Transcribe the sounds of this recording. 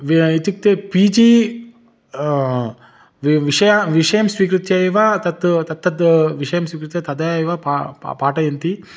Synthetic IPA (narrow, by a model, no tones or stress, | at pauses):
ʋit̪uk̚t̪epiːd͡ʒiː | ʋʋiʂɐjamʋiʂɐjɐmsʋiːkɾut̪jajʋaːt̪ɐt̪t̪ɐt̪ʰːɐt̪ʋiʂɐjɐmsʋiːkɾut̪jɐt̪ɐd̪ɐjajʋapa̰paːʈɐjɐnt̪i